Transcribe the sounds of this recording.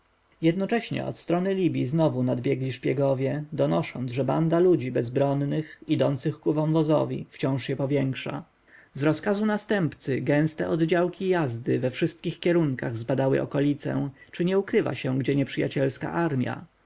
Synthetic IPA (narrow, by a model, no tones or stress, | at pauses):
jɛd̪nɔt͡ʂɛɕɲɛ̰ɔ̰t̪st̪ɾɔnɘlʲibʲjiznɔvunad̪bʲjɛɡlʲiʂpʲjɛɡɔvʲjɛd̪ɔnɔʂɔnd̪zʐɛba̰nd̪alud͡ʑibɛzbɾɔnːɘxid̪ɔnt̪sɘxkuvɔ̃w̃vɔzɔ̰vʲḭft͡ɕɔ̃w̃ʂɕɛpɔvʲjɛŋkʂa̰ | zɾɔskazunast̪ɛmpt̪sɘɡɛ̃w̃st̪ɛʔɔd̪d͡ʑawkʲijazd̪ɘvɛfʂɘst̪̚kʲixkʲjɛɾuŋkaɣzbad̪awɘ̰ʔɔ̰kɔlʲit̪sɛ̰t͡ʂɘɲɛukɾɘva̰ɕɛɡd͡ʑɛɲɛpʂɘja̰t͡ɕɛlska̰ʔaɾmʲja̰